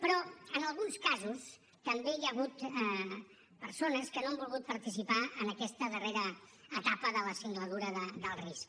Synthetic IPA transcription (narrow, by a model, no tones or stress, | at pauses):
pɾɔənəlˠɣunskazus | t̪əmbejəɣ̞ut̪ɛ | pəɾsonəskənoambulˠɣut̪̚pəɾt̪isipaənəkɛst̪əðəreɾəːt̪apəðələsiŋɡləðuɾəðəd̪əlˠrisk